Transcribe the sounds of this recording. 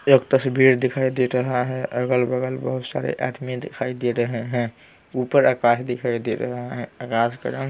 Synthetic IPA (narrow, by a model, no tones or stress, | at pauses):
okt̪əsbʱiɾd̪ekʰajd̪eɾəɦaɦɛʔəɡəlbəɡəlbəɦut̪sa̰ɾḛʔa̰d̪mid̪ekʰajd̪iɾəɦeɦɛ̃ | upəɾakasd̪ekʰajd̪eɾə̰ɦaɦɛ̃akaskə̰ɾə